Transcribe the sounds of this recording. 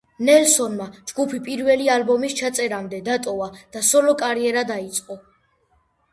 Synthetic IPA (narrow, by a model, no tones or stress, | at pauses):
nɛlsɔnmad͡ʒɡupʰipʼiɾvɛlialbɔmist͡ʃʰat̪sʼɛɾamd̪ɛd̪at̪ʼɔvad̪̥asɔlɔkʼaɾiɛɾad̪ait̪sʼqʼɔ